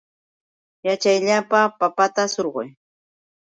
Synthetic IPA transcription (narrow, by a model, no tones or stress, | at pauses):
jat͡ʃajʎapapapat̪asoɾɢʊ̰j